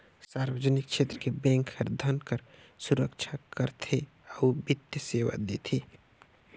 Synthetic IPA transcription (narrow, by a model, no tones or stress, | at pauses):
saːɾwəd͡ʒənɪk̚ʃʰeːt̪ɾəkebɛ̃ːŋkhəɾd̪ʱənkəɾ | sʊɾəkt͡ʃʰakəɾt̪ʰe | aubɪt̪jəseːʋa̰d̪eːt̪ʰeː